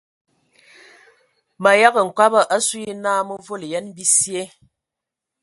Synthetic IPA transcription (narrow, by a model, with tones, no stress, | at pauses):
ma˨ja˦ɣə˨ŋ̩˨kwa˦bə˨ʔa˦su˦i˦naː˦mə˦vo˦li˨jɛ˦nbi˦sje˦